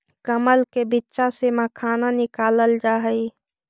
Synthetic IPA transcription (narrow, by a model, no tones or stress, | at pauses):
kəməlkebɪtːʃaseməkʰaːnanɪkaːləld͡ʒaːɦəi